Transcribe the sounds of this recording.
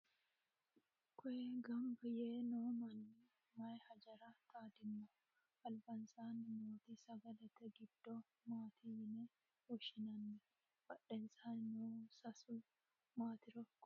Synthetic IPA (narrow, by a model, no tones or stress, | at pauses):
kʰɔʔɛɡɐmbɐjeːnoːmɐn | mɐjhɐd͡ʒɐɾat̪aːd̪ɪnːʊ | ʔɐlbɐnsaːnɪmoːt̪isɐɡɐlɐt̪ɛɡɪd̪ːo | maːt̪ʰiɪnɛ | ɔʃɪnɐnːɛ | bɐɗːɛnsaːnnɔsɐsʊ | maːt̪ɪɾɔkː